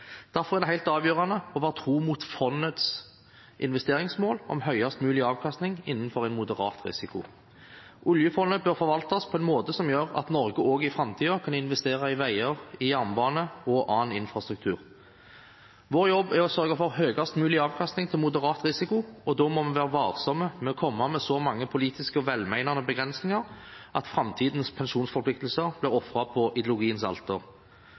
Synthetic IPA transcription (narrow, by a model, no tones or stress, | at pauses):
d̪̥æʁfɔʁæɛʁd̪ɛɦæɪt̪ɑːʋjøːʁɑnəɔʋæːʁət̪ʰʁuːmuːt̪fɔnət̪s | ʔɪ̰nʋɛst̪eːʁɪŋsmoːlɔ̰mɦœʏɑst̪mʉːlɪɑːʋkʰɑst̪nɪŋɪnːənfɔʁæɪnmʊd̪əʁɑ̰ːt̪ʁɪ̰sɪkʊ̰ | ʔʊljəfɔnəbøːʁfɔɾʋɑlt̪ɔspʰɔɛnmoːt̪əsɔmjøːʁɑ̰t̪nɔɾɡəʔoːɡəɪfʁɑmt̪ʰiːɑkʰɑnɪnʋɛst̪eːʁɑɪʋæɪəʁɪjæʁmbɑːnəɔʔɑːnɪnfʁɑst̪ʁʉkt̪ʰʉːʁ | ʋoːʁjɔbːæɔsœʁɡɑfɔʁɦøːɡɑst̪mʉːlɪɑːʋkʰɑst̪nɪŋt̪ʰɪlmʊd̪əʁɑːt̪ʁɪsɪkʊɔd̪ɔmɔmɛʋæːʁəʋɑːʁsɔməmɛɔkʰɔmːɑmɛsɔmɑŋːəpʰʊliːt̪ɪskəɔʋɛlmæɪnɑnəbəɡʁɛnsnɪŋɑʁʔɑt̪fʁɑmt̪ʰiːd̪nspʰɛnʃuːnsfɔʁpʰlɪk̚t̪l̩səʁblɪʁɔfʁɑpʰɔʔɪd̪jlʊɡiːənsɑ̰lt̪əʁ